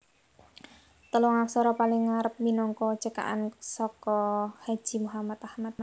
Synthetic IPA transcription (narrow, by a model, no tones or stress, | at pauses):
t̪əlɔŋaksɔɾɔpalɪŋːaɾəp̚minɔŋkɔ̥t͡ʃəka̰ʔa̰nsɔkɔhḁʒ̥i̤muɦamat̪ahmat̪̚